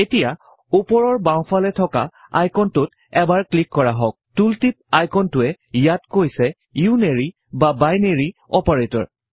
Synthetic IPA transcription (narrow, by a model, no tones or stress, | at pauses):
etija | upɔɹɔɹbãw̃pʰalɛtʰɔka̰ | a̰jkʰɔntʊt | ɛbaɹklikːɔɹaɦɔk̚tultip̚ajkʰɔntʊɛ | jatkojsɛ | iuneɹi | babajneɹiɔpaɹetɔ̰ɹ